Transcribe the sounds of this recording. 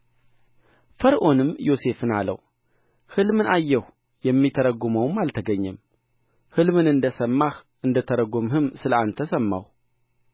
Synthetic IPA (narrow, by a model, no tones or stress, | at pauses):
fəɾʔo̞nɨmːjo̞se̞fɨnalə̰w | hɨlmɨnajːɛh | jɛmːit̪ʰəɾəɡoməwmalt̪ʰəɡəɲːɛm | hɨlmɨnɨnd̪əsəmːaxʔɨnd̪ət̪ʰəɾəɡomhɨmsɨləant̪ʰəsəmːa̰w